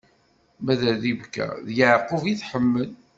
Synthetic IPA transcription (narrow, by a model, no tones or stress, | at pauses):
mæðæðivkæ̰ðjəʕqoviθħəmːəl